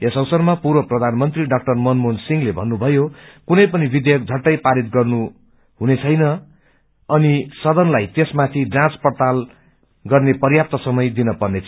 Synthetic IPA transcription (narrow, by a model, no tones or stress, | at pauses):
esʌwsʌrmapuɾwʌprʌd̪ʱanmʌnt̪riɖak̚ʈʌrmʌnmonsiŋlebʱʌnːubʱʌjokunʌjpʌnibid̪jʌk̚d͡zʱʌʈːʌjpaɾit̪̚ɡʌrnu | ɦunet͡sʰʌjnʌ | ʌnisʌd̪ʌnlajt̪esmat̪ʰiɖrãspʌrt̪al | ɡʌrnepʌrjap̚t̪ʌsʌmʌjd̪inʌpʌrnet͡sʰ